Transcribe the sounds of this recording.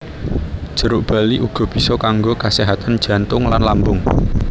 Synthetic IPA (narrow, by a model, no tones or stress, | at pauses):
d̥ʒ̥ə̤ɾʊʔb̥ä̤liʔuɡ̥ɔ̤b̥i̤sɔkaŋɡokaseɦat̪and̥ʒ̥ä̤nt̪ʊŋlanlambʊŋ